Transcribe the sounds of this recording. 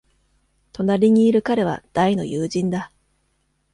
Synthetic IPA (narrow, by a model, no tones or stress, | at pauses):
t̪o̞naɾʲiɲ̟iːɾɯ̟kaɾe̞β̞a̰d̪̥aino̞̰jɯːʑĩnd̪a